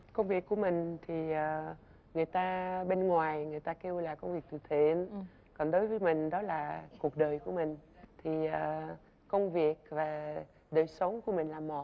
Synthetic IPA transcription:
kə˧wŋ͡mvi˨˩əkːu˧˩əmï˨˩ŋ̟t̪ʰi˨˩ʔəː˨˩ | ŋɨ˨˩əjt̪aː˧ɓe˧nŋwaː˨˩jŋɨ˨˩əjt̪aː˧ke˧wlaː˨˩kə˧wŋ͡mvi˨˩ək̚t̪ɨ˨˩t̪ʰe˧˩n | kɔ˨˩nɗo˨˦jvəː˨˦jmï˨˩ŋ̟ɗɔ˨˦laː˨˩ku˨˩ək̚ɗəː˨˩jku˧˩əmï˨˩ŋ̟t̪ʰi˨˩əː˨˩ | kə˧wŋ͡mvi˨˩ək̚vaː˨˩ | ɗəː˨˩jsə˨˦wŋ͡mku˧˩əmï˨˩ŋ̟laː˨˩mɔ˨˩t̚

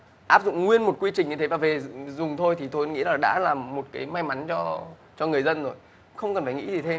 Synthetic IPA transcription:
ʔaː˦˥p̚zʊ̰˧˨ŋ͡mŋwi˧ənmo˨˩t̚kwi˧t͡ɕï˨˩ŋ̟ɲɨ˧t̪ʰe˨˦vaː˨˩ve˨˩zʊ˨˩ŋ͡mt̪ʰo˧jt̪ʰi˨˩t̪ʰo˧jŋḭ˧˥laː˨˩ɗa̰ː˧˥laː˨˩mːo˨˩t̚kaː˨˦jma˧jma˨˦nt͡ɕɔ˧ | t͡ɕɔ˧ŋɨ˨˩əjzə˧nzo˨˩j | xə˧wŋ͡mkə˨˩nfaː˧˩jŋḭ˧˥zi˨˩t̪ʰe˧m

